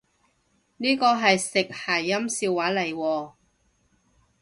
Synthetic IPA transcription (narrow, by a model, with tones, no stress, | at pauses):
niː˥kɔː˧ɦɐ˨jsɪ˨k̚haː˨˩jːɐ˥msiː˧wːaː˨˥lɐ˨˩jwɔː˧